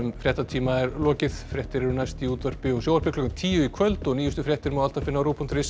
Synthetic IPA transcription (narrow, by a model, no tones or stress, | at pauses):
mfɾjɛht̪at̪ʰiːmaɛɾlɔːcɪθfɾjɛht̪ɪɾɛɾnajst̪iuːt̪vaɾ̥pɪɔsjoːwvaɾ̥pɪkʰlɔkʏmt̪ʰiːjʏikʰvœlt̪ɔniːjʏst̪ʏfɾjɛht̪ɪɾmawalt̪afɪnːaɾuːpʰɔnt̪ɾɪs